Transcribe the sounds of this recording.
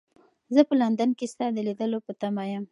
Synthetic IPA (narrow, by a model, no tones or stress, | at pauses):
zəpəland̪ənkest̪ɑd̪əlid̪əlopət̪amajəm